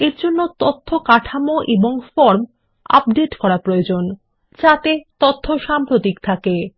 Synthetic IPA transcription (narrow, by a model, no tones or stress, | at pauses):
eɾd͡ʑonːot̪ot̪ʰːokaʈʰamoʔeboŋfɔɾm | a̰p̚ɖeʈkɔɾapɾojod͡ʑon | t͡ɕat̪et̪ot̪ʰːoʃampɾot̪ikt̪ʰake